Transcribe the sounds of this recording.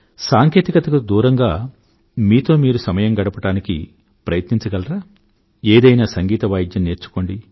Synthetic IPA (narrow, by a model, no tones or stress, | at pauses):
saːŋke̞ːt̪ikɐt̪ɐkɐd̪uːɾɐŋɡaː | miːt̪o̞ːmiːɾusɐmɐjɐmɡɐɽɐpɐʈaːnikḭ | pɾɐjɐt̪niɲt͡ʃɐɡɐlɐɾaː | eːd̪ɐjnaːsɐŋɡiːt̪ɐʋɐjd̪jɐnːe̞ːɾt͡ʃu̥ko̞ːɳɖi